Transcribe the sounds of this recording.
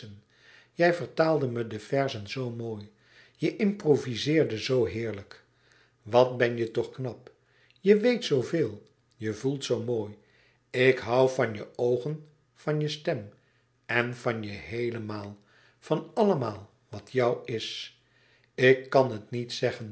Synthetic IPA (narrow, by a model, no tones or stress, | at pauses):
ən | jɛjvəɹtaːlˠdəmədəvɛɹzənzowmoːj | jəʔɪmprovizɪːɹdəzowɦɪːɹlək | ʋɑtbɛnjətɔχknɑp | jəʋejtsowvɪːlˠ | jəvulˠtsowmoːj | ɪkɦɑwvɑnjəowχən | v̥ɑnjəstɛm | ɛnvɑnjəɦejləmaːlˠ | fɑnɑləmaːlˠ | ʋɑtʰjɑwɪs | ɪkːɑnɦətnitsɛχən